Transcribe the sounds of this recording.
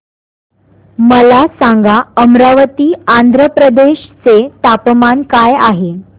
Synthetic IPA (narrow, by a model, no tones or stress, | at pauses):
məlasaŋɡaəmɾaʋət̪iːand̪ʱɾəpɾəd̪eɕt͡set̪apmankajaɦe